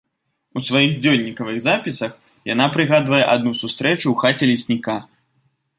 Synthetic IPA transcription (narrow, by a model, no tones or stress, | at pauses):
usvajixd͡zʲɔlʲnʲikɐvɨɣzapʲisɐx | janapɾɨɣad̪vɐjɛʔad̪nusust̪ɾɛt͡ʃuːxat͡sʲɛlʲisʲnʲika